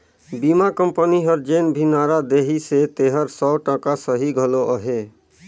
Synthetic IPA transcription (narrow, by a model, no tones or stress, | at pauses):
bimakəmpəniɦɔɾd͡ʒenbʱinaɾad̪eɦiset̪eɦəɾsɔʈɔ̃kasəɦiɡʱɔloʔɔɦe